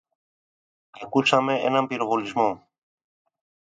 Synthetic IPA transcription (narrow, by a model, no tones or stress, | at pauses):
kekusameḛnampiɾoɣolizmo